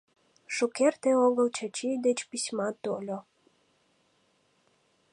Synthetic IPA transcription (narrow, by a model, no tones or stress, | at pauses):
ʃukert̪eoɣəlt͡ɕat͡ɕijd̪et͡ɕpisʲmɑt̪olʲo